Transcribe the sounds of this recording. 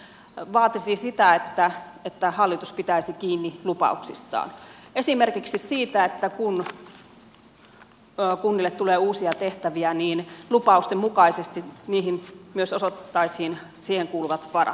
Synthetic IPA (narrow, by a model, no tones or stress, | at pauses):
ʋɑːt̪isisit̪æet̪ːæet̪ːæhɑlːit̪uspit̪æisikiːnːilupɑ̰uksist̪ɑ̰ːne̞simerkiksissiːt̪æet̪ːækun | kunːilːet̪t̪uleːuːsiɑt̪eht̪æʋiæniːnlupɑust̪emmukɑisest̪iniːhimmyøsosot̪t̪ːɑishin | siːheŋkuːluʋɑt̪ʋɑrɑ̰